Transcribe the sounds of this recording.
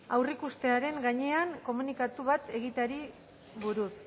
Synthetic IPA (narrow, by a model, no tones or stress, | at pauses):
awrikust̪e̞aɾe̞ŋɡaɲe̞aŋko̞munikat̪uβat̪e̞ɣit̪aɾi | βuɾus